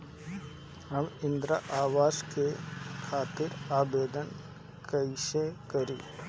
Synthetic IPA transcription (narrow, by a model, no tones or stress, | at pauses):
ɦəmɪ̃nd̪ɾa̰ʔaːʋaːskekʰaːt̪ɪɾaːbeːd̪ən | kəɪsekəɾĩː